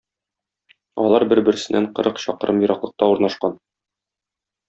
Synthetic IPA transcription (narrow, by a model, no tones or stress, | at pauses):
ɒ̰lˠɑɾbɘɾbɘ̆ɾɘ̆sɘ̆nʔæɴqɤ̆ɾʔɤqɕɒ̰qɤ̆ɾʔɤmjŏɾʔɑqlˠɤ̆q̚t̪ɑuɾnɑʃqɑn